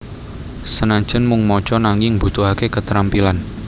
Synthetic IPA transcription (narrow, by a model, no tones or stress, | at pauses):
sənaɲ̥d͡ʒ̥ənmuŋmɔ̥t͡ʃɔnaŋɪŋbṳt̪uɦakekət̪ɾampilan